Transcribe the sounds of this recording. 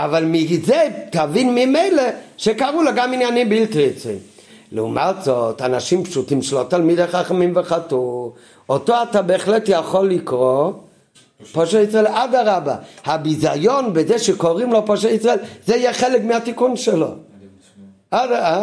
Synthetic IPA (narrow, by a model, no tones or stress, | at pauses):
avalmizet̪avinmime̞jleʃekaʁuloɡaminjanimbilt̪t͡sḭ | leṵmʔat̪zot̪anaʃimpʃutimʃelot̪almid̪eχaχamimveχatu | otoatabeːχletjaχo̞lːikʁo | poʃeisʁaelʔad̪aʁabahabizajo̞nbezeʃekoʁimlo̞poʃ̬eisʁaelzeijɛχelekmeat̪ikunʃelo̞̰ | adaa